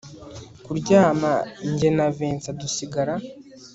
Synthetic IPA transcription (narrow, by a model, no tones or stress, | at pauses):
kuɾɟaːmaɲɟenaveːnt͡sadusiɡaɾa